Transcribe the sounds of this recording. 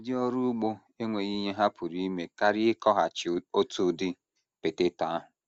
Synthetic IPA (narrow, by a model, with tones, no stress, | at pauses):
dɪ˦ɔ˦ɾu˦ɡ͡bo˦ | e˦ŋʷe˨ɣi˦ɲe˦ɦa˦pʰʊ˨ɾi˦me˨ka˦ɾɪ˦ɪ˦kɔ˦ɦa˨t͡ʃo˦tu˦˨dɪ˦ | pe˨te˦ta˨a˦ɦʊ˨